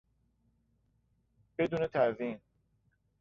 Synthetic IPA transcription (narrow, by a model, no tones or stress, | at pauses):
b̥e̞d̪uːnet̪ʰæɾvin